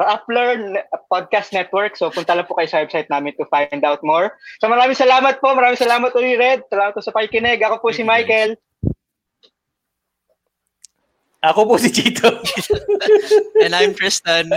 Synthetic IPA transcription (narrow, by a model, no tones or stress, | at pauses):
ɐʔaplɛɹpod̪̚kast̪nɛt̪wɛɹksopʊnt̪ɐlɐpʊkɐjosɐwɛbsajt̪̚naːmɪnt̪ʊfajnd̪awt̪̚moɹsomɐɾaːmɪŋsɐlaːmɐt̪̚po̞ʔmɐɾaːmɪŋsɐlaːmɐt̪̚koiɾɛd̪̚sɐlaːmɐt̪kosɐpɐkikɪnɛɡʔɐko̞pʊsɪmajkɛl | ʔɐkopʊsɪd͡ʒit̪o | ɛ̃najmkɹɛst̪ɐn